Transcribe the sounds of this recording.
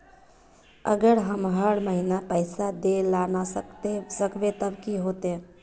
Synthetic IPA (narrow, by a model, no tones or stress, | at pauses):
ə̰ɡəɾɦəmɦəɽməɦinapəɪsad̪elanasəesəkʋet̪əbkiɦoːt̪e